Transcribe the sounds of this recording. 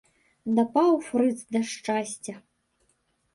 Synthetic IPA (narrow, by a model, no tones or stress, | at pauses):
d̪ɐpawfɾɨt̪sd̪ɐʂt͡ʂasʲt͡sʲɐ